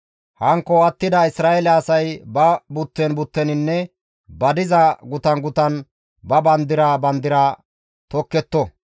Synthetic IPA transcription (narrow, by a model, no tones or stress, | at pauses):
hɐŋkːɔɐt̪ːɪd̪ɐɪsɾaːʔɛlɛɐsɐjbɐbʊt̪ːɛnbʊt̪ːɛnɪnːɛ | bɐd̪ɪzɐɡʊt̪ɐnɡʊt̪ɐn | bɐbɐnd̪ɪɾabɐnd̪ɪɾaː | t̪ɔkːɛt̪ːɔ